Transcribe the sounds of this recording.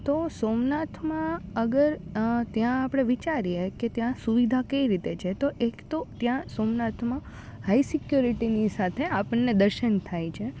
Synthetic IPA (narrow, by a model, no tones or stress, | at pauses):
t̪osomnat̪ʰmãəɡəɾt̪jãːpəɽ̃eʋit͡ʃaɾjeket̪jãsuʋid̪ʱakəiɾit̪et͡ʃʰet̪oʔekt̪ot̪jãsomnat̪ʰmã | haisikjuɾiʈinisat̪ʰeapəɳːed̪əɾʃənt̪ʰajt͡ʃʰe